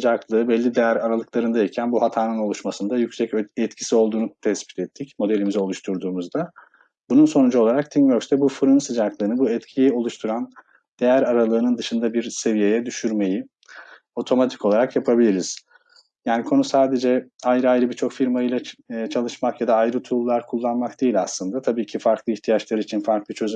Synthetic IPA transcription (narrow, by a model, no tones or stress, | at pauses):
sɯd͡ʒaklˠɯːbɛlʲːid̪e̞jæɾaɾalˠɯklˠaɾɯnd̪aicʰænbuhat̪ʰaːnɯno̞lˠuʃmasɯnd̪ajycʲsɛcɛt̪cʰi̥sio̞lˠd̪uːnut̪ʰɛspi̥t̪ʰɛt̪ʰːicmo̞d̪elʲimizɛo̞lˠuʃt̪ʰuɾd̪uːmuzd̪a | bununso̞nud͡ʒuo̞lˠaɾak̚t̪ʰiŋvøɾst̪ʰɛbufɾɯnsɯd͡ʒaklˠɯːnɯbuɛt̪cʰijio̞lˠuʃt̪ʰuɾan | d̪̥e̞jæɾaɾalˠɯːnɯnd̪ɯʃɯnd̪abiɾse̞vije̞jɛd̪yʃyɾme̞ji | o̞t̪ʰo̞mat̪ʰi̥ko̞lˠaɾakjapʰabilʲiɾiz̥ | jaːnikʰo̞nusaːd̪e̞d͡ʒɛajɾɯajɾɯbit͡ʃʰo̞kfiɾmajɯlˠat͡ʃʰalˠɯʃmakjad̪aːjɾɯt̪ʰulˠːaɾkʰulˠːanmak̚d̪ejilʲaslˠɯnd̪at̪ʰabiːcʰifaɾklˠɯiçt̪ʰijat͡ʃlˠaɾɯit͡ʃʰinfaɾklˠit͡ʃʰø̞z